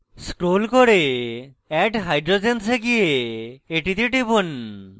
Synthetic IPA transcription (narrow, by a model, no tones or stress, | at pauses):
sʈɾolkoɾe | ɛʈɦajɖɾod͡ʑenseɡijeeʈit̪eʈibun